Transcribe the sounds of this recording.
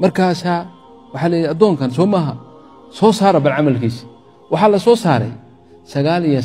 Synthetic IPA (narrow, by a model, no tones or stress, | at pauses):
mɐrkʰaːsaː | wɑħɑːlɛjjɛad̪ɔːŋkʰɐns̬ɔːmɐɦɐ | sɔːsaːɾɐbɐlʕɑmɐlkʰiːs | wɑħɑːlɐsɔːsa̰ːɾɛ̰j | sɐɣaːlijɐ